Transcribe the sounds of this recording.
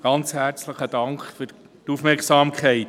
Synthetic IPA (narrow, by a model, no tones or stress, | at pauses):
ɡ̥ɑnt͡shæɾt͡sləχəd̥ɑŋkχfyɾ | tufmɛɾksɑːmkʰχɛɪt